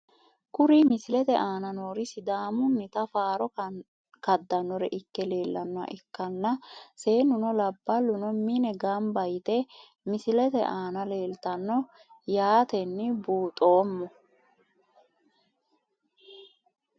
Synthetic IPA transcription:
kʊɾɪmɪsɪlɛt̪ɛʔaːnɐnoːɾɪsɪd̪aːmʊnːɪt̪ɐfaːɾɔ | kɐd̪ːɐnːɔɾɛʔɪkːɛle̞ːlːɐnːɔɐ̰ʔɪkːɐnːɐse̞ːnʊnɔlɐbːɐlːʊnɔmɪnɛɡɐmbɐjt̪ɛ | mɪsɪlɛt̪ɛ̰ʔaːnɐle̞ːlt̪ɐnːɔ | jaːt̪ɛnːɪbuːt̪ʼo̞ːmːɔ

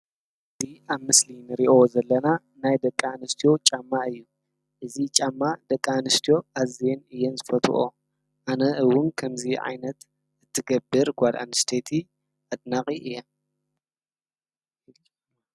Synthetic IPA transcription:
ʔɨziʔaβmɨslinɨɾiʔo̞zɐlːɐna | najd̪ɐkʼːanɨst̪ʰijo̞t͡ʃʼamːaɨjːu | ʔɨzit͡ʃʼamːad̪ɐkʼːanɨst̪ʰijo̞ʔazienɨjɛnzɨfɐt̪ʰṵʔo | ʔanɐɨwʊnkʰɐmziʕa̰jnɐt̪ | ɨt̪ʰːɨɡɐbːɨɾɡʷad̪a̰nɨst̪ʰet̪ʰi | ʔad̪nakʼiʔɨjːa

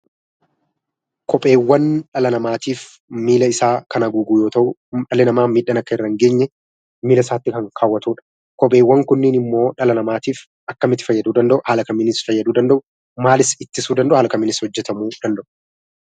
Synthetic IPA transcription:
kʰɔpʼe̞ːwːɐnᶑɐlɐnɐmaːt̪iːf | miːlɐɪsaːkɐnɐɡuɡuːjo̞ːt̪ɐʔʊᶑɐlɪnɐmaːmiːᶑɐnɐkːɐɪrːɐŋɡe̞ːɲːɛ | miːlɐɪsaːt̪ːɪkɐŋkʰaːwːɐt̪uːᶑɐ̥ | kɔpʼeːwːɐŋkʊnːɪnɪmːo̞ːᶑɐlɐnɐmaːt̪iːf | ɐkːɐmɪt̪ɪ̥fɐjːɐd̪uːd̪ɐnd̪ɐʔʊhaːlɐkɐmɪnɪsfɐjːɐd̪uːd̪ɐnd̪ɐʔʊ | maːlɪsɪt̪ːɪsuːd̪ɐnd̪ɐʔʊhɐːlɐkɐmːɪnɪshɔd͡ʒːɛt̪ɐmuːd̪̥ɐnd̪ɐʔʊ̥

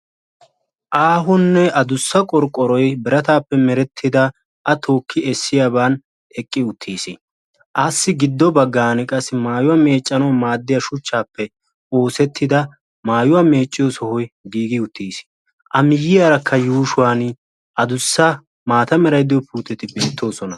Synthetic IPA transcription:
ʔaːɦʊnːɛʔɐd̪ʊsːɐkʼɔɾkʼːɔɾɔjbɪɾɐt̪aːpːɛmɛɾɛt̪ʰːɪd̪ɐ | ʔɐt̪ʰo̞ːkːɪɛsːɪjabaːn | ɛkʼːɪʊt̪ʰːiːsi | ʔasːɪɡɪd̪ːɔbɐɡːaːnɪkʼɐsːɪmaːjʊwɐme̞ːt͡ʃʼːɐnɔmaːd̪ːɪjɐʃʊt͡ʃːaːpːɛ | o̞ːsɛt̪ʰːɪd̪ɐ | maːjʊwɐme̞ːt͡ʃʼːɪjɔsɔhɔjɡiːɡɪʊt̪ːiːs | ʔɐmɪjɪjaːɾɐkʰːɐjuːʃʊwaːn | ʔɐd̪ʊsːɐ | maːt̪ɐmɛɾɐjd̪ɪjɔpʰuːt̪ːɛt̪ɪbɪt̪ʰːo̞ːsɔnɐ

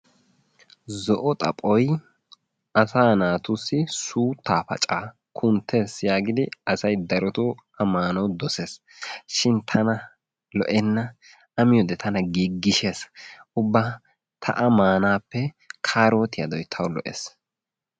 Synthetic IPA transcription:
zɔʔɔt̪ʼɐ̰pʼɔj | ʔɐsaːnaːt̪ʊsːɪsuːt̪ːaːpɐ̰t͡ʃʼaː | kʰʊnt̪ʰːe̞ːsjaːɡɪd̪ɪɐsɐjd̪ɐɾɔt̪uʔɐmaːnɐwd̪ɔseːs | ʃɪnt̪ʰɐnɐ | lɔ̰ʔɛnːɐ | ɐmɪjɔd̪ɛt̪ʰɐnɐɡiɡːɪʃeːsʊbːaː | t̪ʰɐ̰ʔɐmaːnaːpːɛ | kʰaːɾoːt̪ɪjɐ̰d̪ɔjt̪ʰɐwlɔ̰ʔḛːs

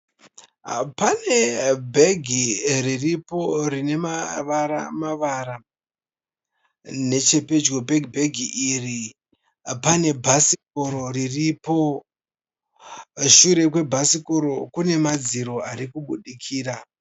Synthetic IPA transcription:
pane̞bʱeɡʱiriripo̞rine̞maʋaɾa̰maʋaɾa | ne̞t͡ʃe̞pe̞d͡ʒɡo̞bʱeɡʱibʱeɡʱiʔiri | pane̞bʱasikoɾo̞riripo̞ | ʃuɾe̞kwe̞bʱasikoɾo̞kune̞mad͡ziɾo̞aɾikuɓʱuɗikʰiːra

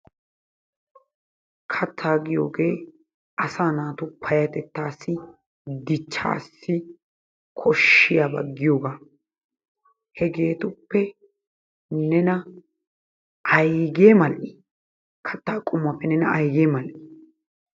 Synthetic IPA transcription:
kʰɐt̪ʰːaːɡɪjo̰ːɡe̞ː | ʔɐsaːnaːt̪ʊpʰɐjɐt̪ɛt̪ːaːsːɪ | d̪ɪt͡ʃːa̰ːsːɪ | kʰɔʃːɪjabɐ̰ɡːɪjoːɡaː | hɛɡe̞ːt̪ʊpːɛ | nɛnɐ | ʔɐjɡeːmɐlʔɪ | kʰɐ̥t̪ːaːkʼʊmːɐpːɛnɛnɐʔɐjɡeːmɐlʔɪ

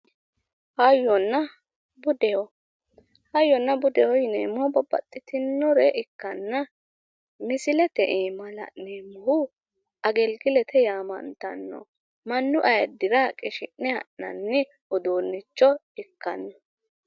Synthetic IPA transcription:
hɐjːɔnːɐ | bʊd̪ɛɔ | hɐjːɔnːɐbʊd̪ɛwɔjɪneːmɔbɔbɐ̰t̪ʼːɪt̪ɪnːɔɾɛʔɪkːɐnːɐ | mɪsɪlɛt̪ɛʔeːmɐlɐ̰ʔneːmɔhʊ | ʔɐɡɛlɡɪlɛt̪ʰɛjaːmɐ̰nt̪ɐ̰nːɔ̰ | mɐnːʊʔɐjɐd̪ɪɾakʼɪʃɪ̰nːɛhɐ̰ʔnɐ̰nːɪ | ɔd̪oːnːɪt͡ʃːɔ | ɪkːɐ̰nːɔ

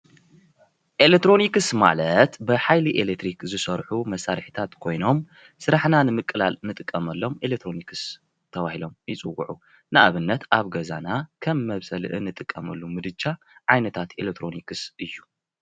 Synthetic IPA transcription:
ʔelek̚t̪ɾo̞nikɨsma̰lɐt̪bɨħajliʔelekt̪ʰɾikzɨsɐɾħumɐsːaɾɨħi̥t̪ʰat̪kʰo̞jno̞m | sɨɾaħnanɨmɨkʼːɨlalnɨt̪ʼɨkʼːɐmɐlːo̞melekt̪ʰɾo̞nikʰɨs | t̪ʰɐβahilo̞mjɪt͡sʼɨwːṵʕu | nɨʔaβɨnːɐt̪ʔaβɡɐzanakʰɐmːɐβsɐlʔɨ̰nɨt̪ʼɨkʼːɐmɐlːumɨd̪ɨd͡ʒa | ʕajnɐt̪ʰat̪elek̚t̪ʰɾo̞nikʰɨsʔɨjːu̥

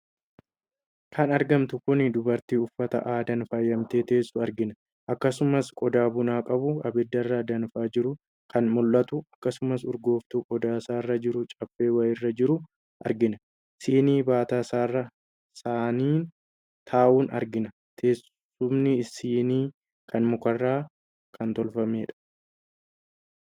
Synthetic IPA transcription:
kʰɐnɐɾɡɐmt̪ʊkʊnɪd̪ʊbɐɾt̪iːʊfːɐt̪ɐ̰ʔaːd̪ɐnfɐjːɐmt̪e̞ːt̪eːsːʊɐɾɡɪnɐ | ʔɐkːɐsʊmɐskʼɔd̪aːbʊnaːkʼɐbʊɐbɛd̪ːɐrːaːd̪ɐnfaːd͡ʒɪɾʊ | kʰɐnmɔlːɐt̪ʊɐkːɐsʊmɐsʊɾɡo̞ːft̪ukʼɔd̪aːsaːrːɐd͡ʒɪɾʊt͡ʃʼɐfːe̞ːwɐjɪrːɐd͡ʒɪɾʊ | ʔɐ̰ɾɡɪnɐ | siːniːbaːt̪aːsaːrːɐ | saːniːn | t̪ʰaːʔuːnɐ̰ɾɡɪnɐ | t̪ʰe̞ːs | ʊmnɪɪsiːniː | kʰɐnmʊkɐrːaː | kʰɐnt̪ɔlfɐme̞ːᶑɐ̥

